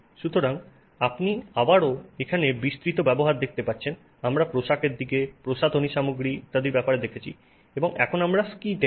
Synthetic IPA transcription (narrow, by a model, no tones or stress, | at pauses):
ʃut̪oɾaŋ | apniabaɾoekʰanebist̪ɾit̪obɛboɦaɾd̪ek̚t̪epaɾːt͡ɕʰen | amɾapɾoʃakeɾd̪ikepɾoʃat̪oniʃamoɡɾit̪ad̪eɾbɛpaɾed̪ekʰet͡ɕʰḭ | eboŋɛ̰kʰonamɾaskid̪e